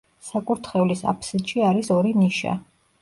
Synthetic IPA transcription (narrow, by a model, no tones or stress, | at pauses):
sakʼuɾt̪ʰχɛvlisa̰pʰsiʃiaɾisɔɾiniʃa̰